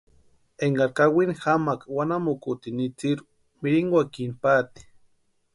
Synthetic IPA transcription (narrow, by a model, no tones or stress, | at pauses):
eŋɡaɾkawinxamakwanamukut̪init͡siɾ | miɾiŋɡwakinpat̪i̥